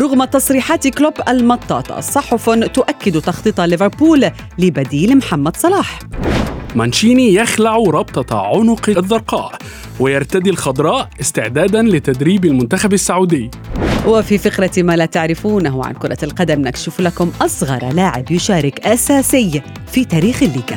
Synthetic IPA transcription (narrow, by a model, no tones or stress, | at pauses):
ɾˤʊɣmat̪ɑsˤɾiːħaːt̪kloːbʔalmɑt̪ˤːɑ̰ːt̪ˤɑ̰sˤɑħʊfʊt̪ʊʔakːɪd̪ut̪ɑxt̪ˤɨt̪ˤɑlɪvɪɾpuːlː | ɪbad̪iːlmħamːad̪sˤɑlɑːħ | manʃiːnijaxlaʕuɾˤɑbt̪ˤɑʕʊnʊqðˤːɑɾˤqɑ̰ːʔ | wɪjɑɾˤt̪ad̪ilxɑd̪ˤɾˤɑːʔɪst̪ɪʕd̪aːd̪anlɪt̪ad̪ɾiːbɪlmʊnt̪axabasːaʕuːd̪ɪjː | wɪfifɪqɾamalat̪aʕɾɪfuːnaɦwʕa̰nkʊɾˤɑ̰lqɑd̪amnakʃuːflakʊmʔɑsˤɣɑ̰ɾˤlaːʕɪ̰bjʊʃaːɾɪkʔasaːsɪjː | fit̪aːɾiːxɪlːiːɡa